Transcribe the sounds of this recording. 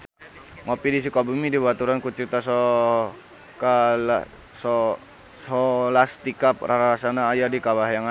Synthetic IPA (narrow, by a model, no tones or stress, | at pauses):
t͡ʃ | ŋopidisikabumidibat̪uɾankut͡ʃit̪asɔ | kala | sɔ | sɔlast̪ikap̚raɾaasanaːjadikabaɦjaŋa